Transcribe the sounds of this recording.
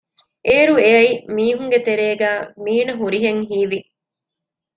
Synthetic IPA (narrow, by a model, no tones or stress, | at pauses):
ʔeːɾueɐimiːɦuŋɡet̪eɾeːɡæːmiːnɐɦuɾiɦeŋɦiːʋi